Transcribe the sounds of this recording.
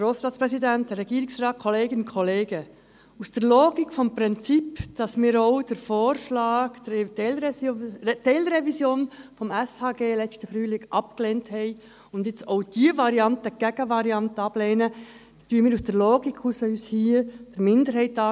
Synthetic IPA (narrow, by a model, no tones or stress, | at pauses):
ɡ̥ɾoːsɾɑːtspɾɛsidɛntdɛrːɛɡiːɾɪksɾɑːt̚kʰɔleːɡənʊnkʰɔleːɡ̥ə | usd̥əɾloːɡɪkfɔmpɾɪnt͡sipd̥ɑsmiːɾoʊd̥əɾfoːɾʃlɑːɡ̥l | telɾɛvisjoːnfɔmɛshɑːɡeːlɛt͡stəfɾyːlɪɡʔɑp̚kleːnthɛɪ | ʊndjɪt͡soʊd̥iəvɑɾiɑntəɡ̥ɛɡ̥əvɑɾiɑntəɑbleːnə | d̥yːəmiːɾusd̥əɾloːɡikʰusəyːshiːd̥əɾmɪndəɾhɛɪtɑ